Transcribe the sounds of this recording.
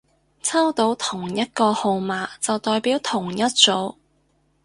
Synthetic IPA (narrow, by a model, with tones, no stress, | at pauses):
t͡sʰɐ˥wt̪o˨˧˥wt̪ʰʊ˨˩ŋjɐ˥t̚kɔː˧ho˧wmaː˨˥t͡sɐ˨wt̪ɔː˨jpiː˨˥wt̪ʰʊ˨˩ŋjɐ˥t̚t͡so˨˧˥w